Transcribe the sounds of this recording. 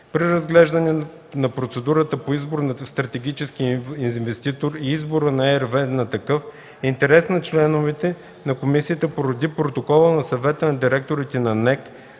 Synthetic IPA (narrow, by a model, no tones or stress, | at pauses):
pɾiɾɐzɡlɛʒd̪ɐnɛ | nɐpɾot̪sɛd̪uɾət̪əpoizboɾnɐst̪ɾɐt̪ɛɡ̟it͡ʃɛskiinvɛst̪it̪oɾiizboɾənɐɛɾvɛnɐt̪ɐkɤf | ɛint̪ɛɾɛsnɐt͡ʃlɛnovɛt̪ɛ | nɐkomisiət̪əpoɾɐd̪ipɾot̪okɔlˠənɐsɐvɛt̪ənɐd̪iɾɛk̚t̪oɾit̪ɛnɐnɛk